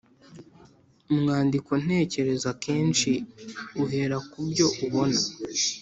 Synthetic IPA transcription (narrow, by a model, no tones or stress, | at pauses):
umŋaːndiko̞n̥e̞ːce̞ɾe̞zake̞ːnʃiuɦe̞ɾakubɟo̞ʔuβo̞na